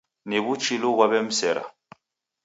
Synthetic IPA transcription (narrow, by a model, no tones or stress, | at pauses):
neβut͡ʃiloɡwaβɛm̩sɛɾa̰